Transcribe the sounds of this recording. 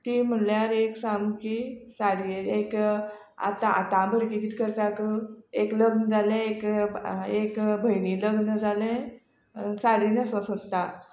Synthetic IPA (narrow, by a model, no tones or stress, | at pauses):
t̪iːm̤əɳljaɾeksamkisaɽiek | a̰t̪ãa̰t̪ãbʱəɾkit̪iːt̪kəɾt̪akəekləɡnəd͡zʱalɛ̃ek | ekbʱəjniːləɡnəd͡zalɛ̃ | saɽiːnəsəsot̪ːa